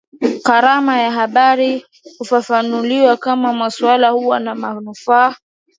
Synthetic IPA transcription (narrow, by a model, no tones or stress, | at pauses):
kaɾamajaɦaɓaɾi | hufafanuliwakamamasuwalahuwanamanufaː